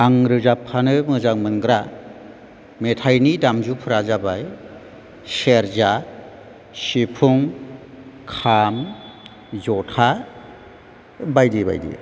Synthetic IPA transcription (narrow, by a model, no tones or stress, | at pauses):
aŋɾɯzapʰːanɯmɯzaŋmɯnɡɾa | metʰajnidamzupʰɯɾazabaj | seɾza | sipʰuŋ | kʰam | zɔtʰa | bajdiba̰jdḭ